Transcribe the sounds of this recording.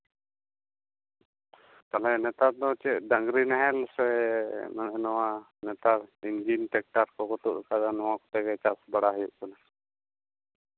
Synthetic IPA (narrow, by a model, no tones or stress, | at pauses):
k̪alɛnɛt̪aɾd̪ɔt͡ʃɛʔ̚daŋɡɾinaɦɛlsɛmɛnʔɛnɔwa | nɛt̪aɾind͡ʒinʈɛk̚ʈaɾkɔkɔt̪ṵʔkad̪anɔwakɔ̥t̪ɛkɛt͡ʃasbaɽaɦɔjuʔkɔna